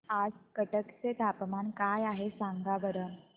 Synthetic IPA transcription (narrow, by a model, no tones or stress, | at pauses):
ad͡zkəʈəkt͡set̪apmankajaɦesaŋɡaʋəɾə